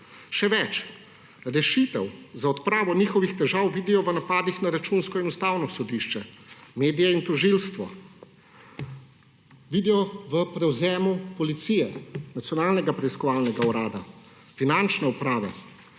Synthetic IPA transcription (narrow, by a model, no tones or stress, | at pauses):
ʃɛʋɛt͡ʃ | ɾɛʃit̪ɛwzaɔt̪pɾaːʋɔniːxɔʋixt̪ɛʒaːwʋiːd̪ijɔʋənapaːd̪ixnaɾat͡ʃunskɔinust̪aːwnɔsɔd̪iʃt͡ʃɛmeːd̪ijaint̪ɔʒilst̪ʋɔ̰ | ʋid̪ɛɔʋəpɾɛwzɛːmupɔlit̪sijɛnat̪sijɔnaːlnɛɡapɾɛiskɔʋaːlnɛɡauɾaːd̪a | finant͡ʃnɛupɾaːʋa̰